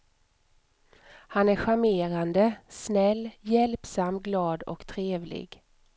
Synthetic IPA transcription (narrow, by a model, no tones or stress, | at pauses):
hanæɾɧameːɾand̪əsnɛlːjɛlpsamːɡlɑːd̪ɔ̰kt̪ʰɾeːvlɪ̰ɡ